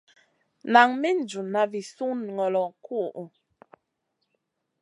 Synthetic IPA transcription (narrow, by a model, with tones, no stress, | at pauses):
na˨ŋmi˦n̩˨d͡ʒu˨na˨vi˨su˦n˨ŋɔ˨lɔ˨ku˦ʔʔu˨